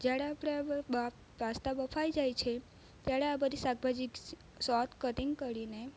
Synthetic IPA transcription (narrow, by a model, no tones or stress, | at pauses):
d͡ʒjaɽeapɽ̃ea | ʋast̪abəfʰajd͡ʒajt͡ʃʰe | t̪jaɽeabəd̪ʱisaɡ̚bʱad͡ʒik | sɔt̪ʰkəʈiŋɡkəɾine